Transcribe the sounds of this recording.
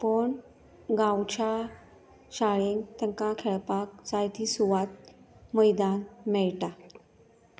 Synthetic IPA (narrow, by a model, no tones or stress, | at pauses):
pəɳ | ɡãwt͡ɕa | ɕaɭeŋt̪əŋkakʰeɭpak̚t͡sajt̪ʰisuʋat̪̚məjd̪anmɛɭʈa